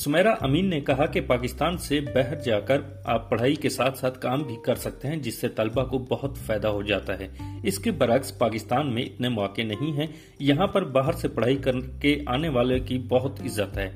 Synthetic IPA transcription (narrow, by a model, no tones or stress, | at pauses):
sʊmɛːɾaʔɐmiːnːekɐɦakepaːkɪst̪aːnsebɛɦəɾd͡ʒaːkəɾ | aːpːɐɽ̤aːikesaːt̪ʰsaːt̪ʰkaːmbʱikɐɾsɐk̚t̪eɦɛ̃d͡ʒɪsːet̪ɐlbakobɐɦʊt̪fɛːd̪aɦod͡ʒaːt̪aɦɛːɪskebɐɾəkspaːkɪst̪aːnmẽɪ̰t̪nemɔːkːenɐɦĩɦɛ̃ | jɐɦãpɐɾbaːɦəɾsepɐɽ̤aːikɐɾkeʔaːneʋaːlekibɐɦʊt̪ɪzːət̪ɦɛː